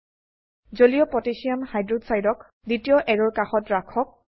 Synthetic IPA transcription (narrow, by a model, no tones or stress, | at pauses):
zolijɔpɹɔtisiamhajdɹudsajdɔk | ditiɔʔɛɹɔɹkaxɔtɹakʰɔk̚